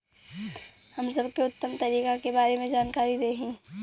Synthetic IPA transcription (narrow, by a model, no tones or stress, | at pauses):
həmsəbkeʊt̪ːəmt̪əɾiːkakebaːɾemẽd͡ʒaːnkaːɾiɾeɦĩː